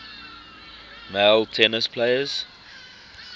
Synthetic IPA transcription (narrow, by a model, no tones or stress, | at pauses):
meɪltʰɛnəspʰleɪəz̥